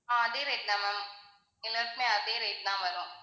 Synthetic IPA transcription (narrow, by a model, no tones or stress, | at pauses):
ãːd̪eɾeːʈ̚nãːmɛ̃ːm | ɪləɾsmẽad̪eɾeːʈnãːmɐɾõː